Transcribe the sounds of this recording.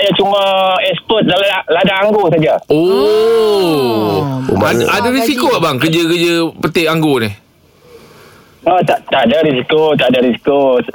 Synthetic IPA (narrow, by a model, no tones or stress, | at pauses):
ajat͡ʃumaɛspɔt̪̚dalaaladaaŋɡosad͡ʒao | o̰maaadaɾisikoaʔbaŋkəd͡ʒəkəd͡ʒəpət̪ɪʔaŋɡonɪh | ət̪aʔt̪aʔadaɾis̬ikot̪adaɾisi̥kos